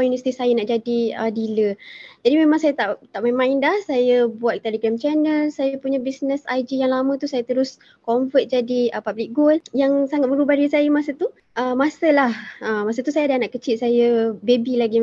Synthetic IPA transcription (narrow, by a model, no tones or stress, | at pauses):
ɔjunvəsi̥t̪isajənaʔd͡ʒadiədiləd͡ʒadimẽmãŋsajət̪aʔt̪aʔmamãɪndahsajəbuat̪̚t̪eleɡɾamt͡ʃɛnəlsajəpuɲəbisnəsajd͡ʒijaŋlamə̃t̪usajət̪əɾʊs | kɔɱfət̪̚d͡ʒadiəpablik̚ɡoljaŋsaŋat̪̚məɾubahdiisajəmasət̪u | ʔəmasəlahəmasət̪usajadanaʔkət͡ʃit̪̚sajəbebilaɡi